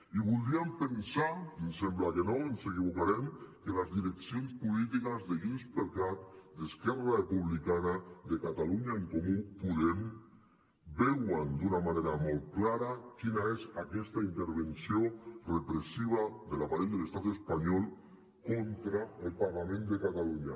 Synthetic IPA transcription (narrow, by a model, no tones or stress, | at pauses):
iβulˠd̪ɾiampensaensemblakenɔensekiβukaɾemkelazðiɾeksionspulit̪̬ikazðeɣinspeɾkat̪d̪eskɛrarepuβlikanaðekat̪aluɲaeŋkomupuðem | bɛwand̪unamaneɾamɔlˠt̪̚klaɾakinaezakɛst̪aint̪eɾβensiorepɾesiβ̞aðelapaɾeʎd̪əlest̪at̪espaɲɔlˠ | kont̪ɾaelˠpaɾlamẽnd̪ekat̪aluɲa